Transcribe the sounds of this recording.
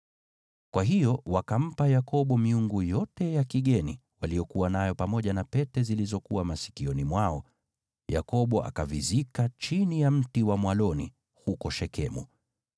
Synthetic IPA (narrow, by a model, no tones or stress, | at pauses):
kwaɦijɔwakam̩pajakɔɓɔmiuŋɡujɔtɛjakiɠɛnḭwalijɔkuwanajɔpamɔʄanapɛtɛzilizɔkuwamasi̥kiɔnimwaɔ | ja̰kɔɓɔʔa̰kavizikat͡ʃinijam̩tiwamwalɔnḭ | hukɔʃɛkɛmṵ